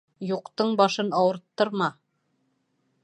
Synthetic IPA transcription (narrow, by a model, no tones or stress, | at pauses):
juqt̪ɤɴbɑʃɤnɑwɤ̆ɾt̪ːɤɾmɑ